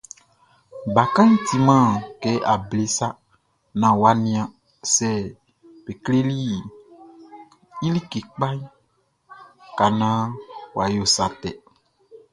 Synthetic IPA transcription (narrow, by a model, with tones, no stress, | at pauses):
ba˨kã˦n̩˦t̪i˨mã˦˨kɛ˨˦ʔa˨ble˦sa˦ | nã˨wa˨˦nĩ˦ã˨ | sɛ˦˨ | be˨kle˦li˦˨ | i˦li˦ke˨k͡pa˦ɲ˦ | ka˨nã˦wa˨jo˦˨sa˨t̪ɛ˨